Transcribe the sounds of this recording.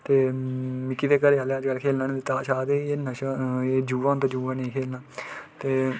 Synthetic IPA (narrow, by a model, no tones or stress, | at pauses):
t̪eːmɪkːiːd̪eːkəɾeːɦaːleəd͡ʒɡəlkʰeːlnaːnẽet̪aːʃaːd̪eːieːnəʃaeːd͡ʒuːʋãːnt̪aːd͡ʒuːʋãːnẽĩkʰeːlnaːt̪eː